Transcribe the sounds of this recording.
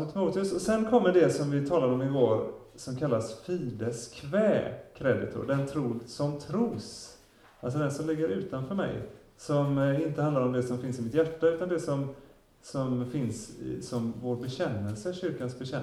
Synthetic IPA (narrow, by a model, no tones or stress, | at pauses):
t̪ʰɪmuːt̪ɪɵsɔsɛnkʰɔmːəɖɛsɔmvɪt̪ʰɑːlad̪ɔmɪvoːɾ | sɔmkʰalːasfiːd̪əskʰvɛːkʰɾɛd̪ɪt̪ʰʊ̰ɖɛnt̪ʰɾuːsɔmt̪ʰɾuːs | als̬ɔd̪ɛnsɔmlɪɡːəɾʉ̟ːt̪anfœːɾmɛ̰j | sɔmɪnt̪əhand̪aɾɔmd̪ɛsɔmfɪnsɪmɪt̪jæʈːaʉ̟t̪and̪ɛsɔm | sɔmfɪnsɪ̰sɔmvoːɾbɛɕɛnːəlsəɕʏɾkansbɛɕɛ